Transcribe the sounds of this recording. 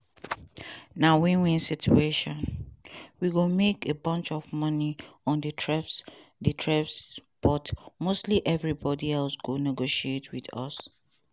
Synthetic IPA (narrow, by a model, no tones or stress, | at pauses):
nawĩnwĩnsit͡ʃueʃɔ̃n | wiɡomekebʌ̃nt͡ʃɔvmʌniɔ̃ndətʰɹɛfs | ditʰɹɛfsb̥ɔtmostliʔɛvɹibɔdiɛlsɡonɛɡoʃietwidɔ̰s